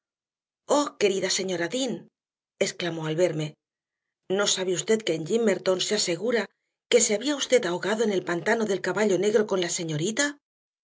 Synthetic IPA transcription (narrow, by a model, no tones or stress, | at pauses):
o̞ke̞ɾiðase̞ɲo̞ɾaðin | e̞sklamo̞alβe̞ɾme̞ | no̞saβeust̪e̞t̪̚keːɲʎimːe̞ɾt̪o̞nsease̞ɣ̞uɾa | ke̞se̞aβiaust̪e̞t̪aoɣaðo̞ene̞lpant̪ano̞ðe̞lkaβaʎo̞ne̞ɣɾo̞ko̞nlase̞ɲo̞ɾit̪a